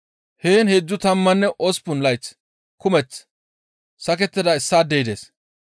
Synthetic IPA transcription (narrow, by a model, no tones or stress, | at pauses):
heːnhed͡zːʊt̪ɐmːɐnːɛʔɔspʊnlɐjt͡s | kʊmɛt͡s | sɐk̬ɛt̪ːɪd̪ɐɪsːaːd̪eɪd̪eːs